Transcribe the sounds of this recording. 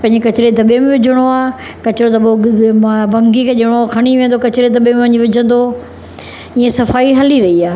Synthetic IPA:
pɐ̃ɦɪ̃ɲd͡ʑekɐt͡ɕɪɾed̪ʱɐɓemẽʋɪd͡ʑʱəɽ̃oaː | kɐt͡ɕɪɾod̪ɐɓo | bɐ̃ŋɡikʰeːʄɪɽ̃okʰɐɽ̃iʋẽːnd̪okɐt͡ɕɪɾed̪ɐɓemẽʋɐɲiʋɪd͡ʑʱə̃nd̪o | iẽsɐfaːiɦɐliɾɐɦiaː

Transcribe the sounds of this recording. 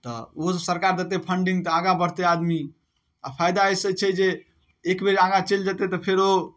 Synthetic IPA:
t̪ɔ̰osəɾkaɾd̪et̪epʰəɳɖiŋɡt̪ɔaɡabəɽ̤t̪ead̪mi | apʰajd̪aejsət͡ʃʰɛd͡ʒeː | kbeɾaɡat͡ʃeld͡ʒat̪et̪ɔpʰeɾo

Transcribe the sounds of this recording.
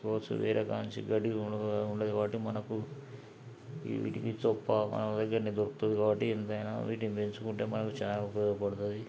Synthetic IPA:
koʋɐt͡ʃːṵʋɛ̰ːɾekaːnt͡ʃḭɡɐʈiuɳɖed̪ikaːbɐʈːimɐnɐku | ʋḭːʈikit͡ʃɔpːɐmɐ̰nɐmd̪ɐɡːɐɾɐnid̪oɾkut̪und̪ikaːbɐʈːient̪ɐjnɐ̰ʋiːʈinipent͡ʃukuɳʈe̞ːmɐnɐkut͡ʃaːlɐpɔɡɐpɐɽut̪̬ud̪i

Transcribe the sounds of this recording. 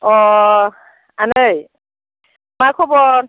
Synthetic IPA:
ɔ | anəj | maɹkʰɔbɔɹ

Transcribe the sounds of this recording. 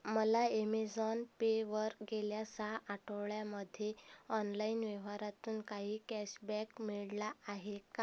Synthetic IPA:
məlaemed͡zɔnpeʋəɾɡeljasaʔaʈʰəʋɭjaməd̪ʱjeɔnlainʋɛʋ̤aɾat̪uːnkaɦiːkɛɕbɛkmiɭlaːɦeka

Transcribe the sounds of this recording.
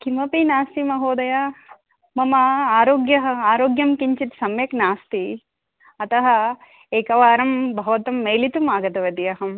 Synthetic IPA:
kʰimɐpinaːst̪imɐɦoːd̪ɐja | mɐmɐaːɾoːɡjɐɦɐaːɾoːɡjɐmkiɲt͡ʃit̪sɐmjɐknaːst̪i | ɐt̪ɐɦɐ̆ | eːkɐʋaːɾɐmbʱɐʋɐt̪ɐmːeːlit̪umaːɡɐt̪ɐʋɐt̪ijɐɦɐm

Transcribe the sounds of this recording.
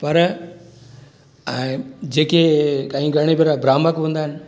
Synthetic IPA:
pɐɾ | ɛ̃ːd͡ʑeːkekaːĩɡʱɐɽ̃ebiɾabɾaːməkʋũːnd̪aːɦɪnɪ̆

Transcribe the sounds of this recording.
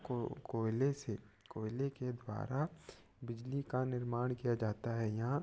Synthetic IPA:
kokoːɪlese | koːɪleked̪wa̰ːɾa | bɪd͡ʒlikanɪɾmaːɽ̃kijad͡ʒaːt̪aɦɛjɐɦã

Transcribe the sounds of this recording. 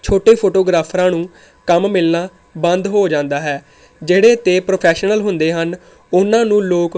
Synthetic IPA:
t͡ʃʰoːʈeːpʰoːʈoːɡɾaːpʰɾãːnũː | kəmmɪlnaː | bənd̪ɦoːd͡ʒãːnd̪aːɦɛː | d͡ʒeːɽeːt̪eːpɾoːpʰɛːʃnəlɦʊnd̪eːɦən | ʊnãːnũːloːk

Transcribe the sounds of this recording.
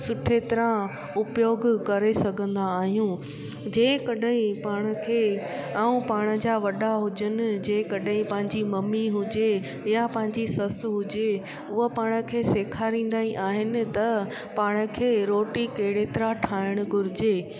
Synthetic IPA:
sʊʈʰet̪ɪɾã | ʊpjoːɡkɐɾesɐɡʱə̃nd̪aːɦijũː | d͡ʑẽːkɐɗəĩpaːɽ̃ə̆kʰeː | aːũpaːɽ̃ə̆d͡ʑaʋɐɗaɦʊd͡ʑənɪ̆d͡ʑẽːkɐɗɦĩpɐ̃ɦɪ̃ɲd͡ʑimɐmiɦʊd͡ʑe | japɐ̃ɦɪ̃ɲd͡ʑisɐsɦʊd͡ʑe | ʊɦəpaːɽ̃ə̆kʰeːseːkʰaɾĩːn̆d̪aːiʔaːɦɪnɪ̆t̪ɐ | paːɽ̃ə̆kʰeːɾoːʈikɐɦɪɽet̪ɪɾaʈʰaːɪɽ̃ʊ̆ɡʱʊɾɪd͡ʑeː

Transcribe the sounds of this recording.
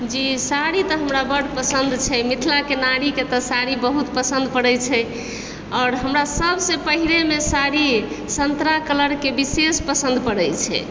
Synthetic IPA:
d͡ʒisaɾit̪ɔɦəmɾabəɽpəsənd̪t͡ʃʰɛmit̪ʰlakenaɾiket̪ɔsaɾibəɦut̪pəsə̃nd̪̚pəɽɛjt͡ʃʰɛ | ɔːɾɦəmɾasəbsẽpəɦilemesaɾi | sənt̪ɾakələɾkebisespəsənd̪pəɽɛt͡ʃʰɛ̰

